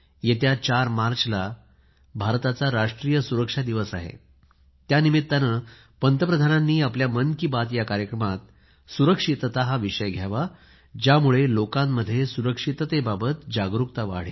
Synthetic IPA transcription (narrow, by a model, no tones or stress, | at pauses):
jet̪jat͡ɕaɾmaɾt͡ɕla | bʱaɾt̪at͡saɾaʂʈɾijəsuɾəkʂad̪iʋəsaɦḛ | t̪janimit̪ːanə | pənt̪əpɾəd̪ʱananːiːapljamənkiːbat̪jakaɾjəkɾəmat̪̚ | suɾəkʂit̪ət̪aɦaʋiʂəjɡʱjaʋa | d͡ʑjamuɭelokãmːəd̪ʱːjesuɾəkʂit̪ət̪ebabət̪d͡ʑaɡɾukt̪aʋa̰ɽ̤e